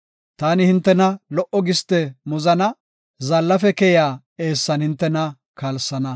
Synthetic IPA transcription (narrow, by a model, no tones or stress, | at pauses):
t̪aːnɪhɪnt̪ːɛnɐlɔʔɔɡɪst̪ɛmʊzɐnɐ | zɐlːɐfɛkɛjaː | e̞ːsːɐnhɪnt̪ːɛnɐ | kɐlsːɐnɐ